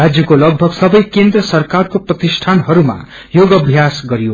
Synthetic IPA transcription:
ad͡zjʌkolʌɡ̚bʱʌɡsʌbʌjkend̪rʌsʌrkarkoprʌt̪isʈʰanɦʌɾuma̰ | joɡʌbʱjasɡʌɾijo

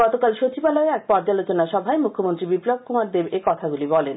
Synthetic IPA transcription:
ɡɔt̪okalʃot͡ɕʰibalɔeɛk̚pɔɾd͡ʑalot͡ɕonaʃɔbʱaemukʰːomont̪ɾibiplob̚kumaɾd̪ebekɔt̪ʰaɡulibɔlen

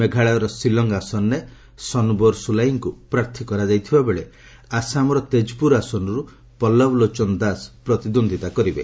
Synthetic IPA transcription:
meɡʱaɭaɾɔsilɔŋɡasɔnːe | sɔnbɔɾsulajiŋkupɾaɾt̪ʰikɔɾad͡ʒajt̪ʰibabeɭe | asamɔɾɔt̪ed͡ʒpuɾasɔnɔɾu | pɔlːɔblot͡ʃɔnɔd̪aspɾɔt̪id̪ond̪ʱit̪akɔɾibḛ

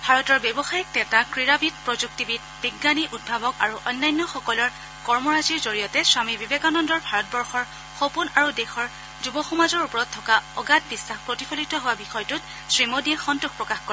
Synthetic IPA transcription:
bʱaɹɔtɔɹbɛbɔxajɛk̚tɛtakɹiɹabit̚pɹɔzuk̚tibit | b̥iɡːaniʔud̚bʱabɔka̰ɹuʔɔnːajnːɔxɔkɔlɔɹ | kɔɹmɔɹaziɹzoɹijɔtɛswamibibekanɔndɔɹbʱaɹɔt̚bɔɹxɔɹ | xopunaɹudɛxɔɹ | zubɔxɔmazɔɹupɔɹɔtʰːɔkaɔɡat̚bisːaxpɹotipʰɔlitɔɦowabixɔjtʊt | sɹimodiɛxɔntuxpɹɔkaxkɔɛ

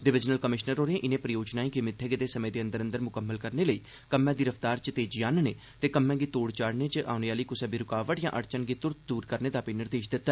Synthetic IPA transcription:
d̪ɪʋɪd͡ʒnəlkəmɪʃnəɾɦoːɾẽːʔɪnẽpɾəjoːd͡ʒnaːĩːkɪmɪt̪ʰːeːɡed̪eːsəmẽːd̪eːənd̪əɾə̃nd̪əɾmʊkəmːəlkəɾneːləiː | kəmːɛ̃ːd̪iːɾəft̪aːɾt͡ʃət̪eːd͡ʒjaːnneː | t̪eːkəmːɛ̃ːɡiːt̪oːɽt͡ʃaːɽneːt͡ʃəʔa̰ːʊneaːliːkʊsɛ̃ːbiɾʊkaːʋəʈjã̰ːʔəɾt͡ʃənɡiːt̪ʊɾt̪̚d̪uːɾkəɾneːd̪aːpɪnɪɾd̪eːʃd̪ɪt̪ːɛː

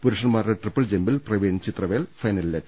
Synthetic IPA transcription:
puɾuʂɐnmaːɾeʈrɨpːɐld͡ʑembilprɐʋeːnt͡ɕit̪rɐʋeːlfɐjnɐlilːɐt̪

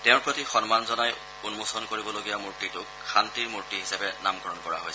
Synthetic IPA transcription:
tɛʊ̃ɹpɹotixɔnmanzɔnaj | unmosɔnkoɹibɔloɡijamuɹtitʊkʰːantiɹmuɹtiɦisapɛnamɡɔɹɔnkɔɹa̰ɦojs

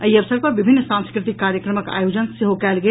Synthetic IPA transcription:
əiɐʋsəɾpɐɾʋɪbʱɪnːsãnskɾɪt̪ɪkkːaːɾjəkɾəməka̰ːjoːd͡ʒənsɪɦokɛːlɡe

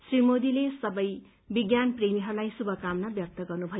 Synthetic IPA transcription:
srimod̪ilesʌbʌj | biɡjanpremiɦʌɾulajsubʱʌkamnʌbjʌk̚t̪ʌɡʌrnubʱʌj

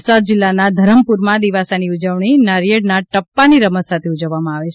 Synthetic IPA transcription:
səɾd͡ʒɪlːanad̪ʱəɾəmpuɾmãd̪iʋasaniud͡ʒəʋɳinaɾijəɽnaʈəpːaniɾəməsat̪ʰeud͡ʒəʋːamãaʋet͡ʃʰ

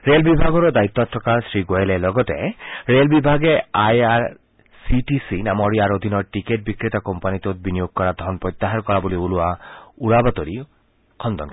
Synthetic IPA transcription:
ɾelbibʱaɡɔɾɔd̪ait̪ːɔat̪ʰːɾɔkasɾiɡoelelɔɡɔt̪eɾelbibʱaɡeajaɾ | siʈisinamɔɾiaɾod̪ʱinɔɾʈikeʈ̚bikɾit̪akɔmpanit̪et̪̚binijoɡ̚kɔɾad̪ʱɔnpɾɔjt̪ːaɦaɾkɔɾaboliuluauɾabat̪oɾi | kʰɔnd̪ɔnk

